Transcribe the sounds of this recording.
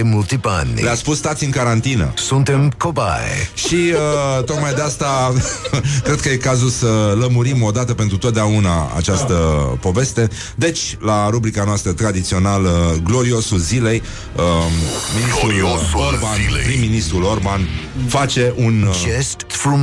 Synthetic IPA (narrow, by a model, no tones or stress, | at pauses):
mult̪ipa̰nleaspusːt̪at̪siɨnkaɾant̪inə̰sunt̪emkoba̰ḛʃiət̪o̞kmajd̪east̪a | kɾed̪kəjekazulsələmuɾimo̞d̪at̪əpe̞nt̪ɾut̪ot̪̚d̪eauna̰a̰t͡ʃast̪əpo̞ve̞st̪e̞ | d̪e̞t͡ʃʲlaɾubɾikanoast̪ɾət̪ɾad̪it̪sio̞naləɡlo̞ɾio̞sulzile̞j | əminist̪ɾulorbanpɾimːinist̪ɾulo̞rbanfat͡ʃe̞ʔunestt̪fu